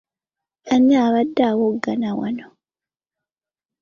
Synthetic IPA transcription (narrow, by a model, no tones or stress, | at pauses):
aɲaːβadːaːwoɡːanawa̰no